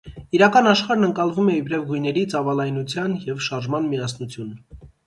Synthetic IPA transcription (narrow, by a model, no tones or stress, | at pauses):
iɾɑkɑnɑʃχɑɾnəŋkɑlvumɛibɾɛvɡujnɛɾit͡sɑvɑlɑjnut͡sʰjɑnjɛvʃɑɾʒmɑnmiɑsnut͡sʰjun